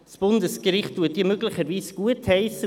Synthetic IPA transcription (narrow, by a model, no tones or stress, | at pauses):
sb̥ʊndəskɾɪχt̚tuːətdiːmøɡlɪχəɾviːsɡ̥uəthɛɪsə